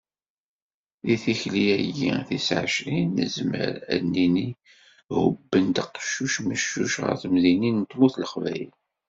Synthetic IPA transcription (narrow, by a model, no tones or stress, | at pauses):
ðiθiçliæɡiθisʕə̰ʃɾinːə̰zmə̰ɾæ̰nːini | hʊbːənt̪əqʃuʃməʃːuʃʁə̰ɾθmðinint̪ːmuθləχvæjəl